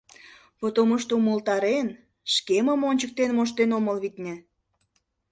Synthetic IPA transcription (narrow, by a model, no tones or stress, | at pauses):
pot̪oməʃt̪oumolt̪ɑɾen | ʃkeməmonʲt͡ɕək̚t̪enmoʃ̬t̪enoməlβit̪nʲĕ